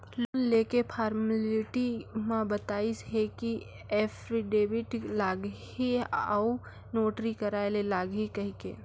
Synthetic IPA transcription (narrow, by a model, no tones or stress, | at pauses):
lonleːkepʰaːɾməlɪʈimãbət̪aːisɦeki | eːpʰɾiɖeːbɪʈlaːɡ | iau | noːʈɾikəɾaːelelaːɡɦikɐɦikḛː